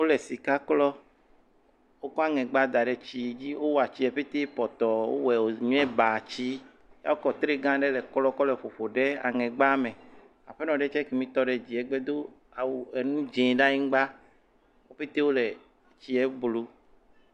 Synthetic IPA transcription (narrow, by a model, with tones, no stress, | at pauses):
wo˦lɛ˨si˨ka˦klɔ˦ | wo˦kɔ˦a˦ŋɛ̃˨ɡ͡ba˦d̪a˨ɖɛ˨t͡ʃi˨d͡ʑi˦wo˦wa˨t͡ɕi˦ɛ˨ɸe˦t̪e˦pɔ˨t̪ɔ˨wo̰˦wɛ˨wo˨ɲũ˦ɛ˦ba˨t͡ɕi˦ | ja̰˦wo˦kɔ˦t̪ɾe˦ɡã˦ɖɛ˦lɛ˨klɔ˦kɔ˦lɛ˨ɸo˨ɸo˨ɖe˦a̰˨ŋɛ̃˨ɡ͡ba˦mẽ˨ | a̰˨ɸe˦nɔ̃˨ɖɛ˦t͡ʃɛ˦ke˨mĩ˨t̪ɔ˦ɖe˨d͡ʒi˨ɛ˨ɡ͡bɛ˦d̪o˦ | a˨wu˨ɛ˨nũ˦d͡ʒẽ˨ɖa˦ɲĩ˦ŋ˦ɡ͡ba˦ | wo˦ɸe˦t̪e˦wo˦lɛ˨ | t͡ɕi˦ɛ˦blu˦